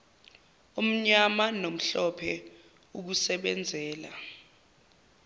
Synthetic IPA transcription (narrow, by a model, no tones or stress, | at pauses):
um̩ɲamanom̩ɬɔpʰɛ | uk̬usɛɓɛnd͡zʱɛːla̰